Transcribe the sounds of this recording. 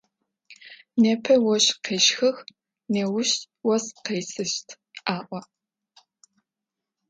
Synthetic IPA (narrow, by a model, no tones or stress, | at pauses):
neːpʰɐwɔɕqeːʃxɐx | neːwʊɕ | wɔsqeːjsɨʃtʰ | ʔaːʔʷɔ